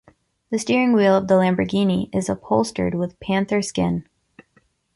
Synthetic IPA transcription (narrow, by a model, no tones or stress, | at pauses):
ðɨstiɹɪ̃ŋwilˠʌvðəlæ̃mbəɡĩniʔɪzʌpʰoʊlˠstə̰˞d̚wɪð̥pʰæ̃nθə˞skɪ̃n